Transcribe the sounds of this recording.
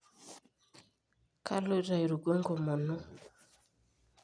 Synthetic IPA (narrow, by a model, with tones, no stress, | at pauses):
ka̰˦lo˦ɾa˨i˨ɾu˨ɡo˦ŋɡo˨mɔ˨nʊ˦